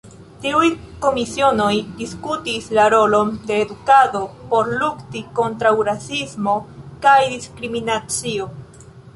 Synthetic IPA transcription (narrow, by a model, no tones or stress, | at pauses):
tiuj | ko̞misio̞no̞jdiskutislaɾo̞lo̞nde̞ːdukado̞po̞ɾluktiko̞ntɾawɾasismo̞kajdiskɾiminat͡sio̞